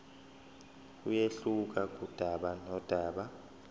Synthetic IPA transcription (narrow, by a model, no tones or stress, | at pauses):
ujeɬuk̬ak̬ʼud̥ʱaɓanɔd̥ʱaːɓa